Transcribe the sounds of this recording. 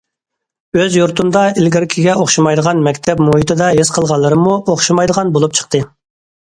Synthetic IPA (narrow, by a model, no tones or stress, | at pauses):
øzjuɾt̪ʰund̪ɑɪlɡʲiɾɪkʲʰiɡʲɛoχʃumɑjd̪əʁɑnmɛkʲt̪ʰɛpmuɦit̪ʰɨd̪ɑɦez̥qʰəlˠʁɑlˠːɨɾɨmuoχʃumɑjd̪əʁɑnbolˠup̚t͡ʃʰə̥qt̪ʰɨ